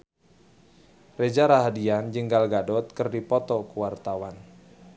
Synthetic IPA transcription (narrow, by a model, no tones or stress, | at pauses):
red͡ʒaɾaɦadiand͡ʒəŋɡalɡadɔt̪̚kɨrdipɔt̪ɔkəwart̪awan